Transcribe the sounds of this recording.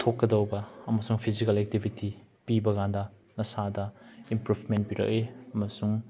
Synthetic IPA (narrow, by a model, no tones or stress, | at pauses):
t̪ʰokːɐdɐwbɐɐmɐsuŋpʰizikɐlɛk̚tibʱitipibɐɡandɐ | nɐsadɐimpɾupʰment̚piɾɐ̰k̚eɐmɐsuŋ